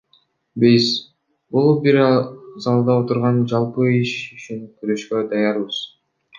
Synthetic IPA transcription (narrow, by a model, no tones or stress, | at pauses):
bejs | bolˠubiɾzɑlˠd̪ɑo̞t̪uɾʁɑnd͡ʒɑlˠpɯiʃyt͡ʃyŋkyɾø̞ʃkød̪ɑjɑɾbɯz̥